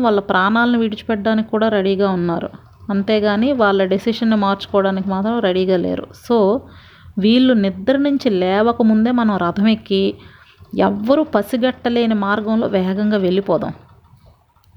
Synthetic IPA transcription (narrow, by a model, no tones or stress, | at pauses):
ʋaːɭːɐpɾʔaːɳaːlɐniʋiɽit͡ʃu̥pɛɖːaːnikʲi̥kːuːɽaːɾeɽiːɡaːunːaːɾṵ | ɐnt̪e̞ːɡaːniːʋaːɭːɐɖisiʂɐnːumaːɾt͡ʃu̥kɔːɽaːnikimaːt̪ɾɐmɾeɽiːɡaːlḛːɾṵso̞ː | ʋiːɭːunid̪ːɐɾinuɲt͡ʃilɛːʋɐkɐmund̪e̞ːmɐnɐmɾɐd̪ʱɐmekːi | ɛ̰ʋːɐɾuːpɐsiɡɐʈːɐleːnɐmaːɾɡɐmlo̞̰ːʋɛːɐɡɐŋɡaːʋe̞ɭːipɔːd̪a̰ːm